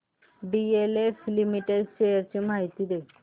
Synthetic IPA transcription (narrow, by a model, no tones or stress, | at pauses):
ɖieleflimiʈed̪ɕejəɾt͡ɕiːmaɦit̪iːd̪e